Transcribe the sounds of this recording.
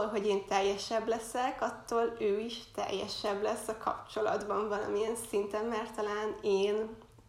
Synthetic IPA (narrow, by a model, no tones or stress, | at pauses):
olɦo̞ɟeːnt̪ɛjːɛʃɛblɛsɛkɒt̪ːoːløːiʃt̪ɛ̰jːɛ̰ʃɛblɛsːɒkʰɒ̰pt͡ʃo̞lɒ̰d̪bɒɱvɒlɒ̰mijɛnsint̪ɛnmɛrt̪ːɒlaːneːn